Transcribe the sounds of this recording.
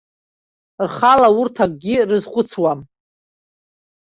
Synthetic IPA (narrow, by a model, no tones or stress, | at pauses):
rχalaʊrtʰak̚ʼɡʲɪrɨzχʷʼʊt͡sʰwam